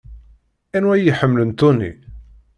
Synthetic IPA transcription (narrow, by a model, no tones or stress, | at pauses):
ænwæjəħəmːlənt̪unːḭ